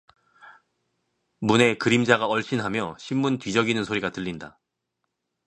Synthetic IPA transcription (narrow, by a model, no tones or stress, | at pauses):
mune̞kɯɾimd͡ʑaɡaʌɭɕ͈inɦamjʌɕʰimːuntɥid͡ʑʌɡinɯnsʰoɾiɡatɯʎːinda̰